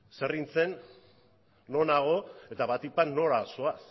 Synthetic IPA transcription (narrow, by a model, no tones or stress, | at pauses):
se̞rint͡se̞n | o̞naɣ̞o̞e̞t̪aβat̪ipanːo̞ɾasoas